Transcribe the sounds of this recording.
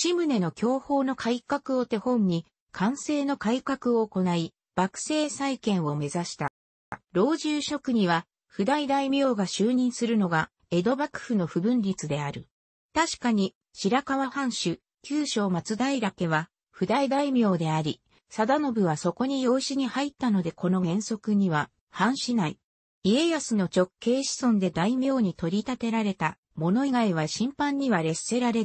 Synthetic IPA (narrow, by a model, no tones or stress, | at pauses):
ɕimɯ̟ne̞no̞kʲʰo̞ːho̞ːno̞kʰaikakɯ̟o̞t̪e̞hõ̞ɲ̟ɲːi | kʰãɰ̃se̞ːno̞kaikakɯ̟o̞ːko̞nai | b̥akɯ̟̥se̞ːsaikẽ̞ɰ̃o̞me̞zaɕi̥t̪a | ɾo̞ːʑɨːɕo̞kɯ̟ɲ̟iβ̞a | ɸɯ̟d̪aid̪aimʲjo̞ːɡaɕɨːɲ̟ĩɰ̃sɨɾɯ̟no̞ɡa | e̞d̪o̞bakɯ̟̥ɸɯno̞ɸɯ̟bɯ̟̃nɾʲit͡sɨd̪e̞aɾɯ̟ | t̪aɕi̥kaɲ̟i | ɕiɾakaβahãɰ̃ɕɨ | kʲɨːɕo̞ːmat͡sɨd̪aiɾake̞βa | ɸɯ̟d̪aid̪aimʲo̞ːd̪e̞aɾʲi | sad̪ano̞bɯ̟βaso̞ko̞ɲ̟ijo̞ːɕiɲ̟ihait̪ːano̞d̪e̞ko̞no̞ɡẽ̞ɰ̃so̞kɯ̟ɲ̟iβa | hãɰ̃ɕinai | ie̞jasɨno̞t͡ɕo̞kʰːe̞ːɕi̥sõ̞nd̪e̞d̪aimʲjo̞ːɲ̟it̪o̞ɾʲit̪at̪e̞ɾaɾe̞t̪a | mo̞no̞iɡaiβ̞aɕĩmpãɲ̟ːiβaɾe̞se̞ɾaɾe̞